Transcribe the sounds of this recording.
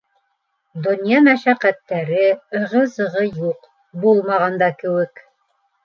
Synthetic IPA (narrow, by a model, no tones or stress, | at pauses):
d̪ŏnjɑmæʃæqæt̪ːæɾɘɤ̆ʁɤ̆zɤ̆ʁɤjuq | bulˠmɑʁɑnd̪ɑkɘ̆wɘk